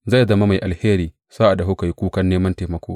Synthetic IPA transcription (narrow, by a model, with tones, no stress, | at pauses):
za˦˨zɐ˦ma˦ma˨jʔa˨lheː˦ɾiː˨ | saː˦ʔa˨dɦo˦ka˨ji˦kʷuː˦kɐ˦nːeː˦mɐ˦nteː˨mɐ˨kʷoː˦